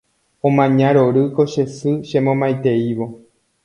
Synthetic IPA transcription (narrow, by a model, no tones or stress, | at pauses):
õmãɲãɾoɾɨko̞ʃe̞sɨʃẽmõmajt̪e̞iʋo̞